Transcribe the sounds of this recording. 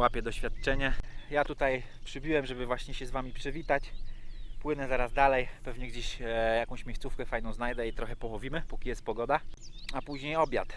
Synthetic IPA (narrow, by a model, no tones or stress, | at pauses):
wapʲjɛd̪ɔɕfʲjat̪t͡ʂɛɲɛjat̪ut̪aj | pʂɘbʲiwɛmʐɛbɘvwaɕɲɛɕɛzvamʲipʂɘvʲit̪at͡ɕ | pwɘnɛzaɾazd̪alɛjpɛvɲɛɡd͡ʑeɕjakɔ̃w̃ɕmʲjest̪sufkɛfajnɔ̃w̃znajd̪ɛit̪ɾɔxɛpɔwɔvʲimɘpukʲijɛst̪pɔɡɔd̪aapuʑɲejɔbʲjat̪